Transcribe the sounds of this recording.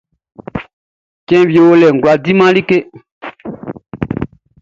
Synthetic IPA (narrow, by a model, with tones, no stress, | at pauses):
cɛ̃˦βje˨wo˦lɛ˨ŋ˨ɡla˨di˦mã˦li˦ke˦